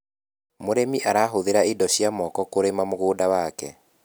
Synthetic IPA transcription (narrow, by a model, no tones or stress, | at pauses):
moɾemiʔaɾaːɦoðeɾaidɔɕjamɔkɔkoɾemamoɣoːdawaːkɛ̰